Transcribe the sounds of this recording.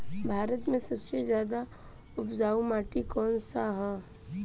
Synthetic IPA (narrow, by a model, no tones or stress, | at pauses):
bʱaːɾət̪mẽsɐbsezjaːd̪a | ʊpd͡ʒaːumaːʈikɔːnsaɦɛː